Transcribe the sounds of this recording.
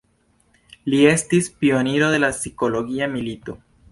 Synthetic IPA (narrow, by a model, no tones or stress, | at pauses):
lie̞st̪ispioniɾoðe̞lasikoloɣiamilit̪o